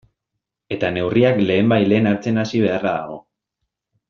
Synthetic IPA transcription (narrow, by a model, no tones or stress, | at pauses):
e̞t̪ane̞wriakle̞ːmbajle̞ːnaɾt͡se̞nasiβ̞e̞araða̰ɣ̞o̞̰